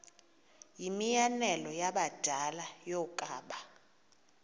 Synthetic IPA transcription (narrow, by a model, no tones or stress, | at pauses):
jimijanɛlɔjaɓad̥ʱalajɔkʼaːɓa